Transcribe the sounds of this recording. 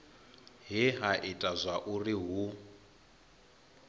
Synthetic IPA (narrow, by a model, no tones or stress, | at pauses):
ɦiɦaʔitʼazʷaʔuriɦu